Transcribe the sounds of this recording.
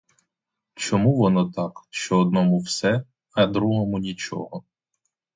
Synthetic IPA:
t͡ʃɔmuʋɔnɔt̪ɑkʃt͡ʃɔːd̪̚nɔmuwsɛ | ɐd̪ɾuɦɔmʊnʲit͡ʃɔ̰ɦɔ

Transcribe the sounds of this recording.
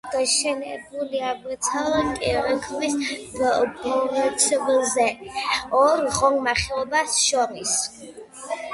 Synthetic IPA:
ɡ̥aʃɛnɛbuliaɡɾt̪sʰalɛnk̪ʼiɾɛkʰmis | bɔɾɛt̪sʰɛbɛlˠzɛɔɾʁɔŋɡmaχɛɔbasʃɔɾis

